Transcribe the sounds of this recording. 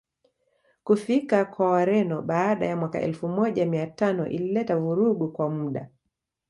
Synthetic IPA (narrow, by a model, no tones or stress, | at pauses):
kufikakwawaɾɛnɔɓaːɗa̰jamwaka̰ʔɛ̰lfumɔʄamiatanɔʔḭlilɛtavuɾuɠukwamuɗa̰